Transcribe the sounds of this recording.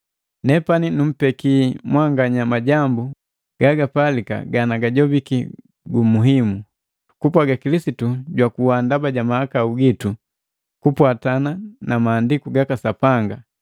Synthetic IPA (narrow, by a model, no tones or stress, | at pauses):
nɛpaninum̩pɛkimwaŋɡaɲamaɟambu | ɡ̥aɡapalika̰ɡanaɡaɟɔbiki | ɡumuɦimu | kupwaɡakilisituɟwakuwandabaɟamahakauɡitu | kupwatananamaːndikuɡakasapaŋɡa